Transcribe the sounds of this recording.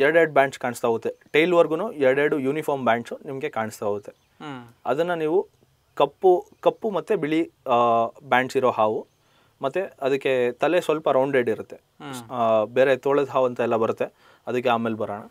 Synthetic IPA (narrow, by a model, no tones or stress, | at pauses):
ɛɾɐɽeːɖubjaːɳʈskaːɳst̪aːɡut̪ːeʈejlʋɐɾɡunuɛɾɐɽeːɽujuːnipʰoːɾmbjaːɳʈsunimɐɡe̞kaːɳist̪aaɡut̪ːe | ɐd̪ɐnːɐniːʋu | kɐpːukɐpːumɐt̪ːebiɭi | bjaːɳʈsiɾoːɦaːʋu | mɐt̪ːeɐd̪ɐkːe̞t̪ɐlesʋɐlpɐɾɐwɳɖɾeːɖiɾut̪ːe̞ | beːɾet̪oːɭɐd̪ɦaːʋɐnt̪ɐɛlːɐbɐɾut̪ːe̞ | ɐd̪ɐkːeaːmeːlbɐɾaːɳɐ